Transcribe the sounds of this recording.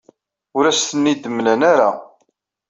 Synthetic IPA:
ʊɾæst̪ənːid̪əmːlænaɾa

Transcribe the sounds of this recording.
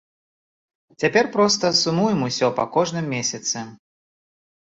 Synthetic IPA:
t͡sʲapʲɛrpɾɔst̪ɐsumujɛmusʲɔpɐkɔʐnɨmːʲesʲɐt̪sɨ

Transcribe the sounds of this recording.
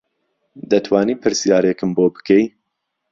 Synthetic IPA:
d̪ɐt̪ʰwaːniːpʰɨɾsjaːɾekɨmboːbɨ̥kʰej

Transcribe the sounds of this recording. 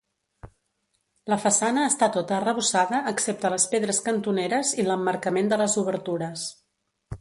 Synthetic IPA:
ləfəsanəːst̪at̪ot̪əːrəβusaðəʔːksep̚t̪ələspeðɾəskənt̪uneɾəziləmːəɾkəmend̪ələzuβ̞əɾt̪uɾəs

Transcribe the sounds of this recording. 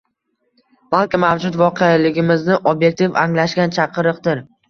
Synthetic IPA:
b̥alˠkʲɪmavd͡ʒʊt̪vɒqʰejalɪɡʲɪmɪznɪʔobje̞k̚t̪ʰivaŋlaʃɡʲant͡ʃʰɑqʰɨɾɨqd̪ɪɾ

